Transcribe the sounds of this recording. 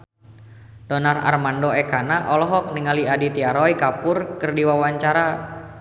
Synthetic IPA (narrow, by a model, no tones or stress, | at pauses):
d̥ɔnara̰rmandoɛkanaʔɔlɔɦɔk̚niŋaliadit̪iaɾɔikapʊrkɨrdiwawaɲt͡ʃaɾa